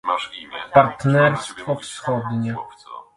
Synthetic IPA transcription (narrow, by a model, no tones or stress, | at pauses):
paɾt̪nɛɾst̪fɔfsxɔd̪ɲɛ